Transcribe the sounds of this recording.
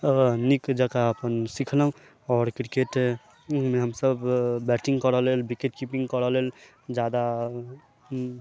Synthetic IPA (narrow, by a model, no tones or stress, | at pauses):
nikd͡ʒakaəpənsikʰləɦũ | ɔɾkɾikeʈ | meɦəmsəbːɛʈĩŋɡkəɾəlelbikeʈkipĩŋɡkəɾəlel | d͡ʒad̪a